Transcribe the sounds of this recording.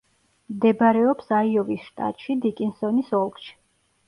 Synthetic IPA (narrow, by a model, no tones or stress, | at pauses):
md̪ɛbaɾɛɔpsaiɔvisʃt̪ʼa̰t̪ʼʃid̪ikʼinsɔnisɔlˠkʃi̥